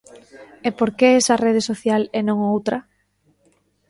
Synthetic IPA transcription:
epoɾkeɛsɐreð̞esoθjalenõŋowt̪ɾɐ

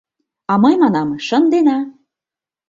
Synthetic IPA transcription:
ɑməjmɑnɑmʃə̆nd̪enɑ

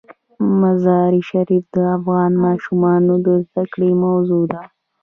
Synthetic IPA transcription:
mazɑːɾiʃaɾifd̪əafɣɑnmɑʃumɑnod̪əzd̪akɽemawzod̪a

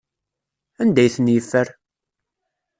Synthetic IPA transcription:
ænd̪æjθənjəfːəɾ

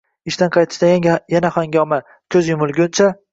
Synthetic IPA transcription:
ɪʃt̪anqʰɑjt̪ʰɪ̥ʃt̪aɡʲanjjanahɒŋɡʲɒma | kʰʲɵzjʊmʊlˠɡʲʊnt͡ʃʰa

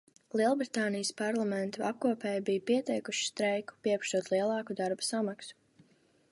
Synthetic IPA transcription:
lˠiɛlˠbɾit̪aːnijəspaɾlˠamɛnt̪uʔa̰p̚kuɔpɛːjbijpiɛt̪ɛjkuʃi̥st̪ɾɛjku̥piɛpʃt̪uɔt̪lˠiɛlˠɑːkud̪aɾbḁsamaksu̥

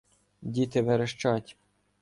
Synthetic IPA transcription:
dʲit̪ɪʋeɾeʃt͡ʃɑtʲ

